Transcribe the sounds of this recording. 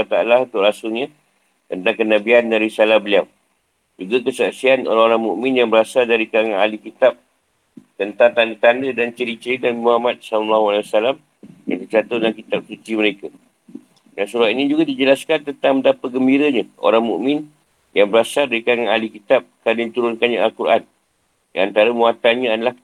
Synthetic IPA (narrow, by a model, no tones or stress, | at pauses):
t̪aalaunt̪ʊʔlasʊɲa | t̪ənt̪aŋkənabiandaɾisalahbəliaw | d͡ʒuɡakəsaʔsiano̰ɾaŋoɾaŋmuʔmɪ̃njaŋbəɾasadaɾikaɾaŋanalikit̪ap̚ | t̪ənt̪aŋt̪andət̪andədant͡ʃəɾit͡ʃəɾidaimuhamat̪̚sanlːahualawasalam | ja̰ŋt̪ət͡ʃat̪odəlankit̪ap̚sut͡ʃ̪iməɾeka | dansuɾat̪̚inĩd͡ʒuɡadid͡ʒəlaskant̪ənt̪aŋməndapat̪̚ɡəmbiɾəɲaʔo̰ɾaŋmṵʔmɪ̃n | jaŋbəɾasadaɾikaɾaŋanalikit̪ap̚kanədit̪uɾʊnkanɲaʔalkuɾʔa̰n | diant̪aɾəmuat̪anɲãadəlah